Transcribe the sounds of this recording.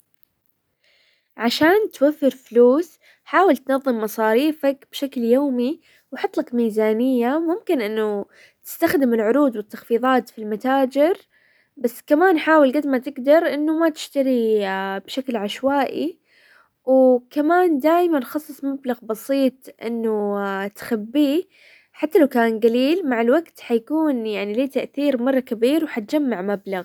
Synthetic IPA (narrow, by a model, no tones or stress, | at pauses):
ʕaʃaːnt̪wafːɪɾfluːs | ħaːwɪlt̪nɑðˤːɨmːɑsˤɑːɾiːfakb̥ʃakljoːmi | wħɑt̪ˤːlɑkmiːzaːnɪjːamʊmkɪnʔɪnːʊ | t̪ɪ̥st̪axd̪ɪmɪlʕʊɾuːd̪wɪt̪ːɑxfiːðˤɑːt̪filmat̪aːd͡ʒɪɾ | basːkamaːnħaːwalɡad̪mat̪ɪɡd̪ɑɾˤʔɪnːʊmat̪ɪ̥ʃt̪aɾibʃaklʕaʃwaːʔḭ | wkamaːnd̪aːjmanxɑsˤːɨsˤmablaɣbɑsiːt̪ˤʔɪ̰nːʊt̪xabːiː | ħat̪ːalawkaːnɡaliːlmaʕalwaɡt̪ħajakuːnjaʕniliːt̪aʔθiːɾmɑrˤːɑkabiːɾwħat̪̚d͡ʒamːaʕmablaɣ